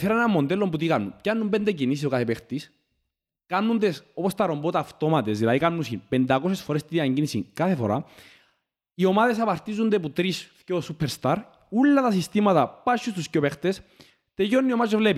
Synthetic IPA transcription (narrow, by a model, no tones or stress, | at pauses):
θeɾɐenɐmːond̪elːombut̪̬ikanːuncanːumbend̪ecinis̬isokaθepext̪is | kanːund̪eso̞post̪ɐɾo̞mbot̪aːft̪o̞mɐt̪esðilɐðikanːusinpend̪ɐkosesfoɾest̪iðiɐɲɟinisiŋkaθefo̰ɾa | io̞maðesɐpɐɾt̪izund̪eput̪ɾisfcosupʰːeɾst̪aɾ | ulːɐt̪ɐsist̪imɐt̪ɐpaʃːust̪uscopext̪es | t̪eʝonːiomazovlepi